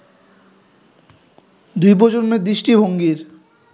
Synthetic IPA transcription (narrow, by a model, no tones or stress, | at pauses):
d̪ujpod͡ʑoɾmed̪ɾiʃʈibʱoŋɡiɾ